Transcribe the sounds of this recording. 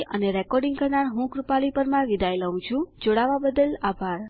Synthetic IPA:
ʔəneɾɛkɔɾɖiŋɡkəɾɳaɾɦũkɾupaɭipəɾmãʋid̪ajləũt͡ʃʰũd͡ʒoɽaʋabəd̪əlabʱaɾ

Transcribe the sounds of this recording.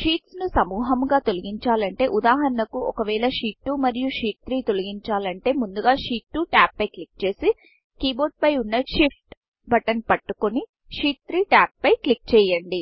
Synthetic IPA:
ʂiːʈsnusɐmuːɦɐmɡaːt̪o̞lɐɡiɲt͡ʃaːlɐɳʈe̞ːʔud̪aːɦɐɾɐnɐkuʔɔkɐʋɛːɭɐʂiːʈːumɐɾijuʂiːʈ̪̚t̪ɾiːt̪o̞lɐɡiɲt͡ʃaːlɐɳʈe̞ːmund̪uɡaːʂiːʈːuʈaːpːɐjklik̚t͡ʃe̞ːsi | kiːbo̞ːɖ̚pɐjunːɐʂip̚ʰʈ | bɐʈɐnpɐʈːukoni | ʂiːʈ̚t̪ɾiːʈaːp̚ːɐjklik̚t͡ʃɛːjɐɳɖi

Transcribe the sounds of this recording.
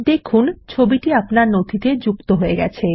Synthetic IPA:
d̪ekʰunt͡ɕʰobiʈiapnaɾnod̪ʰʱit̪ed͡ʑukt̪oɦoeɡɛ̰t͡ɕʰe

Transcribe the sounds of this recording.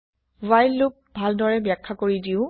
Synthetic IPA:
wajlːʊk̚bʱaldɔɹɛbjakʰːakoɹidiʊ

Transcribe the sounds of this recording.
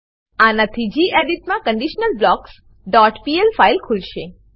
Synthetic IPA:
anat̪ʰid͡ʒiʔeɖiʈmãkəɳɖiʃnəlblɔks | ɖɔʈpielfailkʰulʃe

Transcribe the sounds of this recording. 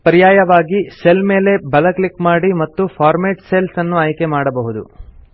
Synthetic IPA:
pɐɾijaːjɐʋaːɡise̞lme̞ːle̞bɐlɐklikmaːɽimɐt̪ːupʰaːɾmeːʈselsɐnːuaːjke̞maːɽɐbɐɦud̪ṵ

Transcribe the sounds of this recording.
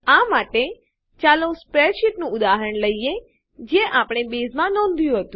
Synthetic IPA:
amaʈe | t͡ʃalõspɾeʃiʈnũʊd̪aɦəɾəɳləije | d͡ʒeʔapɳ̃ebezmãnɔ̃nd̪ʱjũɦət̪ũ

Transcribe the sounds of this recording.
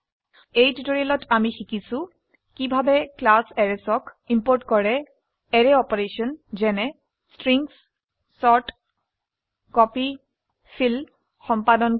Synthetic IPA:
ejtutoɹialɔtamixikisʊ̃ | kibʱabɛklasɛɹɛsɔkimpoɹtkɔɹɛ | ɛɹɛɔpɔɹesɔnzɛnɛ | stɹiŋs | sɔɹt | kɔpi | fʰil | xɔmpadɔn

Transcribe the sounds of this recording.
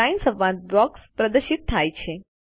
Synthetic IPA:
ajnsəʋʋãt̪̚bɔkspɾəd̪əɾʃit̪ʰːajt͡ʃʰe

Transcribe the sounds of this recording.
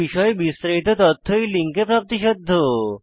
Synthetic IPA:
iʃɔebist̪ɾaɦit̪ot̪ɔt̪ʰːojliŋkepɾap̚t̪iʃod̪ʱːo

